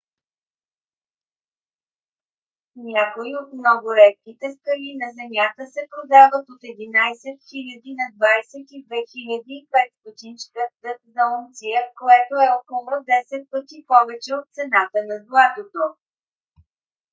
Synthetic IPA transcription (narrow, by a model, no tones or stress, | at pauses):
nʲakoiot̪mnɔɡʊɾɛt̪̚kit̪ɛskɐlinɐzɛmʲjat̪əsɛpɾod̪avət̪ot̪ɛd̪inajsɛt̪xilʲɐd̪inɐd̪vajsɛt̪id̪vɛxilʲəd̪iːpɛt̪st̪ot̪int͡ʃkəd̪ət̪zɐont̪sijəkoɛt̪oɛɔkolˠod̪ɛsɛt̪̚pət̪ipɔvɛt͡ʃɛot̪̚t̪sɛnat̪ənɐzlˠat̪ot̪o